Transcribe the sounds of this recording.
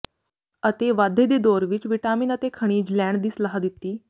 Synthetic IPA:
ət̪eʋad̪ʱed̪id̪oɾʋiːt͡ʃʋiʈamiːnət̪ekʰəɽ̃iːd͡ʑlæɳd̪isləɦad̪it̪ːiː

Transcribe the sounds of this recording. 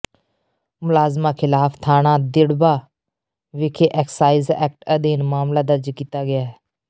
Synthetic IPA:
mʊlaːzmaːkʰɪlaːpʰt̪ʰaːɽãːd̪ɪɽbaː | ʋɪkʰeːʔɛːksaːizɛ̰ːk̚ʈəd̪iːnmaːmlaːd̪əɾd͡ʒkiːt̪aːɡɪjaːɦɛː

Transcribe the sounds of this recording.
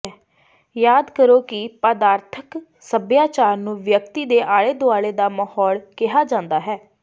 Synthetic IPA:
jaːd̪kəɾoːkɪpəd̪aːɾt̪ʰək | səbjaːt͡ʃaːɾnũːʋjəkt̪iːd̪eːʔaːɽeːd̪oaːɭeːd̪aːməhɔːɭkɪɦaːd͡ʒãːnd̪aːɦɛː

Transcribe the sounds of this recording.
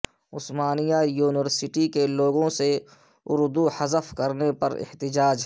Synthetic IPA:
ʊsmaːnijajuːnɪʋəɾsɪʈikeloːɡõse | ʊɾd̪uhɐzəfkɐɾnepɐɾɪ̰ht̪ɪd͡ʒaːd͡ʒ

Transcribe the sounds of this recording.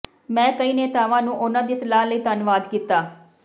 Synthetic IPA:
mɛ̃ːkəiːneːt̪aːʋãːnũːʔʊnãːd̪iːsəlaːɦləiːt̪ənʋaːd̪kiːt̪aː

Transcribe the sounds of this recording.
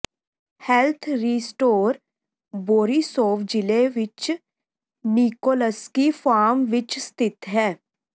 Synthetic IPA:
hɛlt̪ʰɾiːsʈoːɾ | boːɾiːsoːʋd͡ʒɪleʋɪt͡ʃ | niːkoːləskifʰaːɾmʋɪt͡ʃst̪ɪt̪ɦɛː

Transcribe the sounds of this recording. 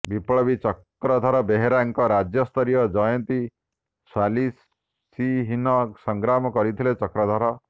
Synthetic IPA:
bipɭɔbit͡ʃɔkɾɔd̪ʱɔɾɔbeɦeɾaŋkɔɾad͡ʒjɔst̪ʰɔɾijɔd͡ʒɔjɔnt̪i | sali | siɦinɔsɔŋɡɾamɔkɔɾit̪ʰilet͡ʃɔkɾɔd̪ʱɔɾɔ

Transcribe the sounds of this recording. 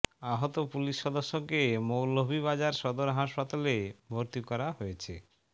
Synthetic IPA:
aɦot̪opuliʃːɔd̪oʃːokemowlobʱiβad͡ʑaɾʃɔd̪oɾɦaʃpat̪alebʱoɾt̪ikɔɾaɦojet͡ɕʰe

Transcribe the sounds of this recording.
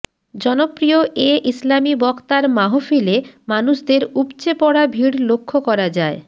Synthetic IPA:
d͡ʑɔnopɾioʔeʔislamibɔkt̪aɾmaɦofilemanuʃd̪eɾupt͡ɕepɔɽabʱiɽlokʰːokɔɾad͡ʑae

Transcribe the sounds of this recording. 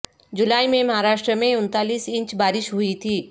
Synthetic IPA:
d͡ʒʊlaːimẽmɐɦaɾaːʃʈɾəmẽʊnt̪aːliːsɪ̃ɲt͡ʃbaːɾɪʃɦʊit̪ʰiː

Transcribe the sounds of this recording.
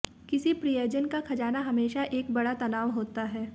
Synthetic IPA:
kɪsipɾijoːd͡ʒənkakʰɐd͡ʒaːnaɦɐmeːʃaʔeːk̚bɐɽat̪ɐnaːʋɦoːt̪aɦɛː

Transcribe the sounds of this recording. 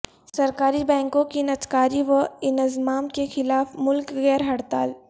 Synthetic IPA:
sɐɾkaːɾibɛ̃ːŋkõkinɐt̪kaːɾiʋɐɪnzmaːmkexɪlaːfmʊlkɣɛːɾɦɐɽt̪aːl

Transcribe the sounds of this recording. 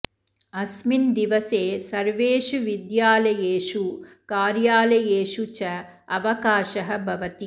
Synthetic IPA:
ɐsmind̪iʋɐseːsɐɾʋeːʃuʋid̪jaːlɐjeːʃu | kaːɾjaːlɐjeːʃut͡ʃɐ | ɐʋɐkaːʃɐɦɐbʱɐʋɐt̪i

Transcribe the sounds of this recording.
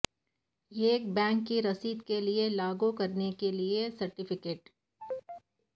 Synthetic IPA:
jeːk̚bɛ̃ːŋkːiɾɐsiːd̪kelielaːɡukɐɾnekeliesɐɾʈɪfʰɪkeːʈ

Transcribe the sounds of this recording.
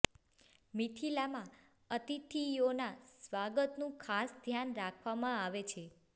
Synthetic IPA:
mit̪ʰilamã | ət̪it̪ʰijonasʋaɡət̪nũkʰasd̪ʱjanɾakʰʋamãaʋet͡ʃʰe

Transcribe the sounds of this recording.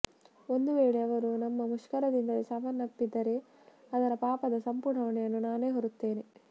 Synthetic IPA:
o̞nd̪uʋe̞ːɭeɐʋɐɾunɐmːɐmuʂkɐɾɐd̪ind̪ɐlisɐʋɐnːɐpːid̪ːɐɾe̞ | ɐd̪ɐɾɐpaːpɐd̪ɐsɐmpuɳɐʋɐɳɛjɐnːunaːne̞ːɦoɾut̪ːe̞ːne̞

